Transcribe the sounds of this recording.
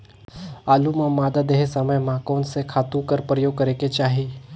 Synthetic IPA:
aːlumãmaːd̪ad̪eɦesɐməjmãkɔːnsekʰaːt̪ũkəɾpɾəjoːɡ̚kəɾeket͡ʃaːɦi

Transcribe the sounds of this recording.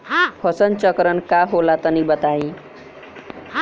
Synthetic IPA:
pʰʌsʌnt͡sʌkɾʌnkaɦolat̪ʌnibʌt̪aĩ

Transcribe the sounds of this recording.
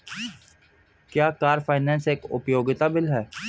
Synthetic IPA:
kjaːkaːɾfaːɪnɛ̃ːnseːkʊ̰pjoːɡɪt̪abɪlɦɛː

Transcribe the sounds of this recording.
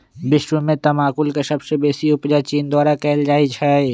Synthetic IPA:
bɪʃwumẽt̪ɐmaːkʊlkesɐbsebeːsiʊpd͡ʒat͡ʃiːnd̪ɔːɾakɛːld͡ʒaːit͡ʃʰae

